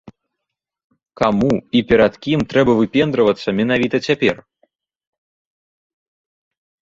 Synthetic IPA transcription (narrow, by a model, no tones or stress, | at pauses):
kamuipʲɛɾɐt̪kʲimt̪ɾɛbɐvɨpʲɛnd̪ɾɐvɐt̪sːɐmʲɛnavʲit̪ɐt͡sʲapʲɛr